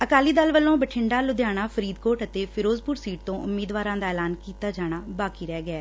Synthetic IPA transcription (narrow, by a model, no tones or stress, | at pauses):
əkaːliːd̪əlʋəlːõːbəʈʰɪɳɖaːlʊd̪jaːɽ̃aːpʰəɾiːd̪koːʈət̪eːpʰɪɾoːzpʊɾsiːʈ̚t̪õːʔʊmːiːd̪ʋaːɾãːd̪aːɛːlaːnkiːt̪aːd͡ʒaːɽ̃aːbaːkiːɾɛːɡɛː